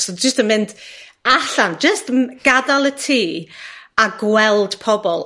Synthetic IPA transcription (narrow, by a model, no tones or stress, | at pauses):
sod͡ʒɪstənmɪnd | aɬand͡ʒəstɡ̥adalˠətʰiːaɡwɛlˠd̥pʰɔbɔlˠ